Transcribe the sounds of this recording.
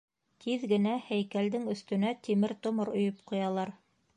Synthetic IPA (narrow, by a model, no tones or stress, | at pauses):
t̪ʰiðɡɘ̆næhæjkæld̪ɘŋɵ̆θt̪ɵ̆næt̪imɘɾt̪ŏmoɾŏjɤpqŏjɑlˠɑɾ